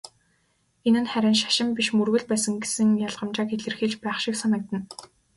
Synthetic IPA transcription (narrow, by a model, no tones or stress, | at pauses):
enɘ̆nχæɾʲɪ̆nʃḁʃɪ̆mpiʃmɵrɣɘ̆ɮpæːsə̆ŋɡesɘ̆ŋjaɮʁə̆mt͡ɕaːkeɮɘ̆rxiːt͡ɕpæːχʃɪ̆ksanə̆k̚t̪ə̆n